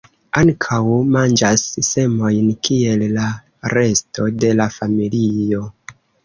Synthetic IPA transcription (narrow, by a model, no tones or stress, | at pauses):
aŋkʰawmand͡ʒasːe̞mo̞jnkie̞lːa | ɾe̞sto̞de̞lafamilio̞